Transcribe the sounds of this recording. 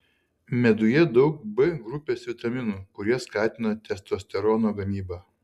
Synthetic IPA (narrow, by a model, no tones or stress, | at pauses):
mʲɛd̪ʊjɛd̪ɒʊk̚bɨɡɾʊpʲeːsʋʲɪt̪ɐmʲɪnuːkʊɾʲiɛskɑːt̪ʲɪnɐt̪ʲɛst̪oːsʲt̪ʲɛɾɔnoːɡɐmʲiːbɑː